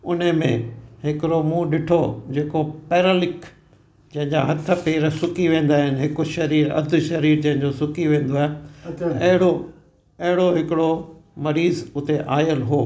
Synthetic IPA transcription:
ʊnəmḛ̃ɦɪkɪɾomũːɗɪʈʰod͡ʑeːkopɛːɾəlɪk | d͡ʑɐ̃ɦɪ̃ɲd͡ʑaɦɐt̪ʰə̆peːɾsʊkiʋẽːn̆d̪aːɦɪnɦɪkʊʃɐɾiːɾɐ̰d̪ʱʊ̆ʃɐɾiːɾd͡ʑɐ̃ɦɪ̃ɲd͡ʑosʊkiʋẽːn̆d̪oaːɦeɐɦɪɽo | ɐɦɪɽoɦɪkɪɽomɐɾiːzʊt̪eʔaːjəlɦoː

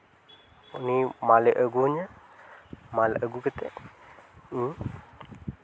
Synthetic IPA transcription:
unimaləʔəɡuɲa | maləʔəɡukət̪eʔ̩

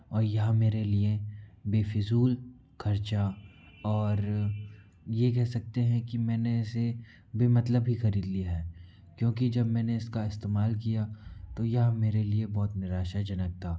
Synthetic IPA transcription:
ɔːɾjɐɦãmeːɾeliebeːfɪzuːl | kʰɐɾt͡ʃa | ɔːɾ | jek̬ɛɦsɐk̚t̪eɦɛ̃kimɛ̃ːneɪse | beːmɐt̪ləbɦixɐɾiːd̪liaɦɛː | kjõːkid͡ʒɐbmɛ̃ːneɪskaɪst̪eːmaːlkijat̪ojɐɦãmeːɾeliebɔːt̪nɪɾaːʃad͡ʒɐnək̚t̪aː

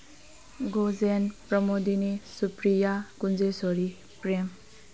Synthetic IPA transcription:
ɡozenpɾʌmod̪inisupɾijakunzesoɾi | pɾem

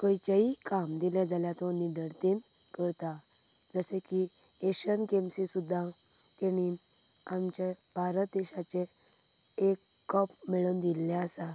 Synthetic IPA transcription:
kəjt͡ɕaikamd̪ilãd͡zaljat̪ɔniɖəɾt̪in | kəɾt̪a | d͡zəsɛ̃ki | eɕənkemsisud̪ʱːa | t̪eɽ̃in | amt͡ɕebʱaɾət̪̚d̪eɕat͡ɕe | ekːɔpmiɭund̪ilːɛəsa

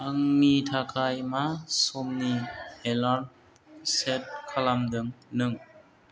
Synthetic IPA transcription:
ʔaŋmitʰakʰajmasomniela | sɛt̚kʰalamdɯŋnɯŋ

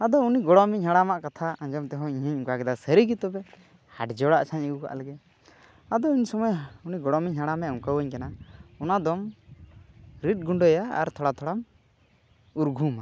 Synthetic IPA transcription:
ad̪ɔuniɡɔɽɔmiɲhaɽamaʔkat̪ʰaãɲd͡ʒɔmt̪ɛɦɔ̃iɲaɲuŋkakɛd̪asəɾiɡit̪ɔbɛ | haʈd͡ʒɔɽaʔt͡ʃʰaɲəɡuka̰ʔlɛɡɛ | ad̪ɔuɲsɔmɔjuniɡɔɽɔmiɲɦaɽamɛʔuŋkawəɲkanaɔnad̪ɔm | ɾit̪̚ˀɡuɳɖɔjaa̰ɾt̪ʰɔɽat̪ʰɔɽam | uɾɡʱuma

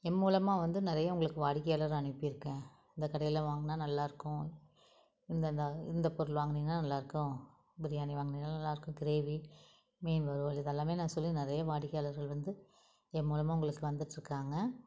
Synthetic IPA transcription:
ɛmmuːlɐmaːʋɐnd̪ɯnɪɾɐjɐʊŋɡɐɭɯkːɯʋaːɽɪkːɐjaːlɐɾɐɳɪpːɯɪɾɯkːẽː | ɪnd̪ɐkːɐɽɐjɪlɐʋaːŋɡɐnaːnɐlːaːɪɾɯkːʊ̃ | ɪnd̪ɐnd̪ɐɪnd̪ɐpɔɾɐlʋaːŋɡɐnɪŋɡɐɭlanɐlːaːɪɾɯkːʊ̃ | bɪɾɪjaːniʋaːŋɡɐɳɪŋɡɭːnɐlːaːɪɾɯkːʊ̃ɡɪɾeːʋi | meːnʋɐɾoːlɪðɛlːaːmeːnãːsɔlːinɪɾɐjɐʋaːɽɪkːjaːlɐɾɣɐɭʋɐnd̪ɯ | ɛmːuːlɐmaːʊŋɡɐɭɯkːɯʋɐnd̪ɯʈːɾɯkːaːŋɡɐ

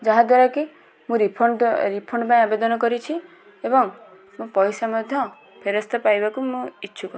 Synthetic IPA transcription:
d͡ʒaɦad̪waɾaki | mũɾipʰɔɳɖɾipʰɔɳɖpãj̃abed̪ɔnɔkɔɾit͡ʃʰi | ebɔŋ | mũpɔjsamɔd̪ʱjɔ̃ | pʰeɾɔst̪ʰɔpajbakumũitːʃʰukɔ

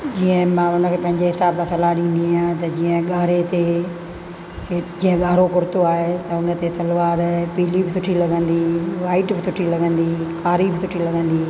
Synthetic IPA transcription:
d͡ʑiːə̃mãːʊnəkʰeːpɐ̃ɦɪ̃ɲd͡ʑeɦɪsaːbsãsɐlaɗĩːn̆d̪iaːjãːt̪ɐd͡ʑiːə̃ɠaːɾet̪e | d͡ʑiːə̃ɠaːɾokʊɾɪt̪oaːɦet̪ɐʊnə̆t̪esɐlʋaːɾpiːlibɪsʊʈʰilɐɡə̃nd̪iːʋaːɪʈbɪsʊʈʰilɐɡə̃nd̪iːkaːɾibɪsʊʈʰilɐɡə̃nd̪iː

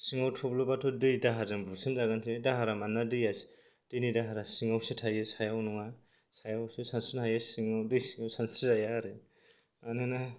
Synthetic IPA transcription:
siŋawtʰɔblɔbatʰɔdɯjdaɦadɯnbusɯnzaɡantʰɯdaɦaɾamanːadɯjas | d̥ɯjnidaɦaɾasiŋawsɯtʰajɯsajawnɔŋa | sajawsɯsansɯnhajɯsiŋawdɯjsiŋawsansɯzajaɾɯ | anɯna

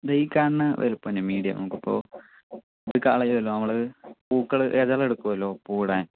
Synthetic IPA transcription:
d̪ejkːaːɳːɐʋḛɾupːɐnɐmiːɽijɐ̰nɐ̰mukːɐpːo̞̰ː | ɐðɨkaːɭɐjuðɐlːoːnɐmːɐɭpuːkːɐɭʔeðɐɭeɽukːuʋɐlːo̞ːpuːɽaːn

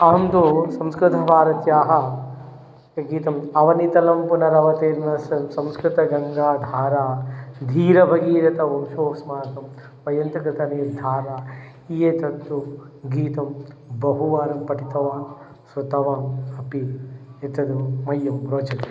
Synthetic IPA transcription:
ɐɦɐmt̪usɐmskɾɪt̪ʰɐpaːɾɐt̪jaːɦɐ | ɐɡiːt̪ɐmɐʋɐnit̪ɐlɐmpunɐɾɐʋɐt̪eːɾnɐsɐmsɐ̃mskɾɪt̪ɐɡɐŋɡaːd̪ʱaːɾaːd̪ʱiːɾɐbʱɐɡiːɾɐt̪ɐʋɐmʃoːksmaːt̪ɐm | ʋɐjɐnt̪ɐkɾɪt̪ɐniːɾd̪ʱaːɾaː | ijet̪ɐt̪ːu | ɡiːt̪ɐm | bɐɦuʋaːɾɐmpɐʈit̪ɐʋaːn | swɐt̪ɐʋaːmɐpiet̪ɐd̪uːɐjːɐmɾoːd͡ʒɐn

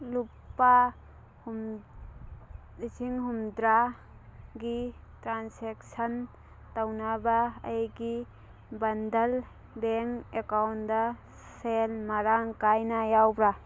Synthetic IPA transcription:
lupːa | hm | id͡ʒiŋɦumdɾa | ɡitɾansek̚sɐn | tɐwnabɐɐjɡi | bɐndɐl | beŋekawndɐ | selmɐɾaŋkajnajawbɾa

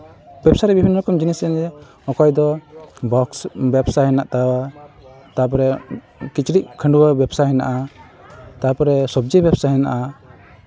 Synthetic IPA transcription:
bɛbsaɾɛbibʱinːɾɔkɔmd͡ʒinisɛnɾɛ | ɔkɔjd̪ɔbɔksbɛbsaɦɛnaʔt̪awa | t̪ap̬ɔɾɛ | kit͡ʃɾiʔ̚kʰəɳɖuwabɛbsaɦɛna̰ʔa | t̪apɔɾɛsɔb̚d͡ʒibɛbsaɦɛna̰ʔa

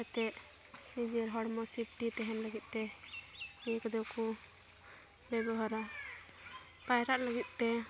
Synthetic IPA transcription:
ɛt̪ɛʔ | nid͡ʒɛɾɦɔɽmɔsip̚ʈit̪ɛɦɛnləɡit̪̚ˀt̪ɛ | mikɔd̪ɛku | bɛbɔɦaɾa | pajɾaʔləɡit̪̚ˀt̪ɛ

